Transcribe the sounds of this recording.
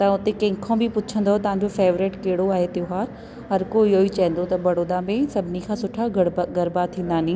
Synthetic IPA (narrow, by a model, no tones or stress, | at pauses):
t̪ɐʊt̪ekɐ̃ɦɪ̃kʰõbɪpʊt͡ɕʰə̃nd̪ot̪ɐʋ̤ãɲ̆d͡ʑofeːʋɾɪʈkeɦɪɽoaːɦet̪ijoɦaːɾ | ɦɐɾkoɪɦoit͡ɕɐɦə̃n̆d̪ot̪ɐbɐɽoːd̪amẽsɐbʱɪnikʰãːsʊʈʰaɡɐɽɡɐɾbat̪ʰĩːnd̪aːnĩ